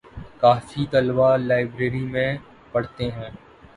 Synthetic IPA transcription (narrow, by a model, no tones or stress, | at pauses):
kaːfit̪ɐlʋalaːɪbɾeːɾimẽ | pɐɽt̪eɦɛ̃ː